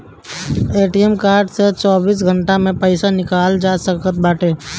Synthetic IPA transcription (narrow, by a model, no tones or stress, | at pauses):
eːʈiɛmkaːɾɖset͡ʃɔːbiːs̬ɡʱə̃ɳʈamẽpəɪsanɪkaːld͡ʒaːsəkət̪̚baːʈeː